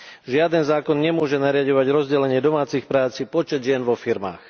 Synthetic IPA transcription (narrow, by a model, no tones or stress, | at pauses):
ʒɪad̪ɛnzaːkɔnɲɛmʊɔʒɛnaɾɪaɟɔʋaɟɾɔzɟɛlɛɲɪɛd̪ɔmaːt͡sixpɾaːt͡sipɔt͡ʃɛd̪ʒɪɛnʋɔfiɾma̰ːx